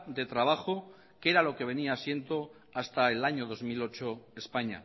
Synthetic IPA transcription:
d̪e̞t̪ɾaβ̞axo | ke̞ɾalo̞ke̞β̞e̞niasje̞nt̪o̞ | ast̪aelaɲoð̞o̞zmilo̞t͡ʃo̞espaɲa̰

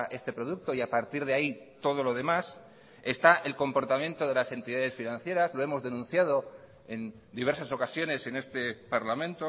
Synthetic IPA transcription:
ʔe̞st̪e̞pɾoðuk̚t̪o̞iapaɾt̪iɾð̞eait̪o̞ð̞o̞lo̞ð̞e̞mas | e̞st̪aʔe̞lko̞mpoɾt̪amje̞nt̪o̞ð̞e̞lase̞nt̪iðaðe̞sfinãnθje̞ɾazloe̞mo̞zðe̞nũnθjað̞o̞ | e̞n | d̪iβe̞ɾsaso̞kasjo̞ne̞se̞ne̞st̪e̞paɾlamẽ̞nt̪o

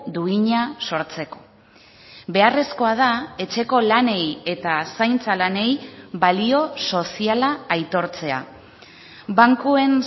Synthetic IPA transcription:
d̪uiɲaso̞ɾt͡se̞ko̞ | be̞are̞sko̞að̞ae̞t͡ʃe̞ko̞lane̞je̞t̪asajnt͡salane̞jβalio̞so̞sialaːjt̪o̞ɾt͡se̞a̰ | baŋkue̞n

